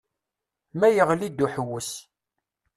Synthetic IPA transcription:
mæjəʁlid̪uħəwːəs

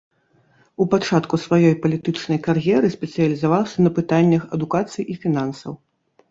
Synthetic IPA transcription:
upat͡ʂat̪kusvajɔjpɐlʲit̪ɨt͡ʂnɐjkarjɛɾɨsʲpʲɛt̪sɨjɐlʲizavawsʲɐnɐpɨt̪anʲːɐxɐd̪ukat̪sɨjʔifʲinansɐ̰w

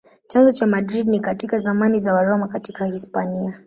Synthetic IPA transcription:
t͡ʃanzɔt͡ʃamadɾidnikatikazamanizawaɾɔmakatikahispania

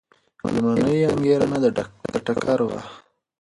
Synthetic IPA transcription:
lmanəjaŋɡeɾanad̪əɖad̪̥əʈakʰaɾwa̰

